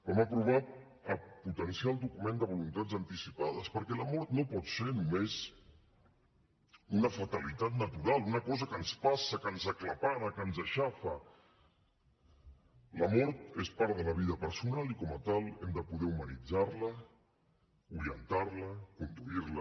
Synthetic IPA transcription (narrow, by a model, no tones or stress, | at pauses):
ɛməpɾuβ̞at̪̚ | əput̪ənsialˠd̪ukumend̪əβulunt̪ad͡zənt̪isipað̞əspəɾkɛləmɔɾt̪nopɔt̪senumez | unəfət̪əlit̪at̪nət̪uɾalˠunəkɔzəkənspasəkənzəklapaɾəkənzəʃafə | ləmɔɾt̪espaɾðələβ̞iðəpəɾsunalikɔmət̪alˠɛmd̪əpuðɛumənid͡zarlə | uɾiənt̪aɾləkund̪uiɾlə